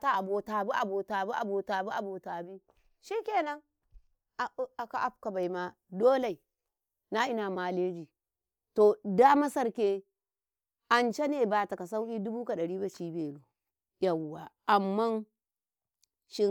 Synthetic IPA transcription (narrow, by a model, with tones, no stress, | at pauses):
ta˨a˨bo˨ta˨bu˦ʔa˨bo˨ta˨bu˦ʔa˨bo˨ta˨bu˦ʔa˨bo˨ta˨bi˦ | ʃi˦kʲe˦˨na˦ŋ | a˨˦a˨ka˨ʔa˦p̚ka˨ba˨i˨ma˨ | doː˦le˨i˨ | na˦i˦na˨ma˨le˦d͡ʒi˨ | to˨da˦ma˦sa˦ɾkʲe˦ | ʔa˨nt͡ʃe˦ne˨ba˨ta˨ka˨s̬a˦wki˦du˦bu˦ka˨ɗɐ˨ɾiː˦ba˨ʃiː˦be˨lo˨ | ja˨wwa˨ʔa˨mːa˦n | ʃi˦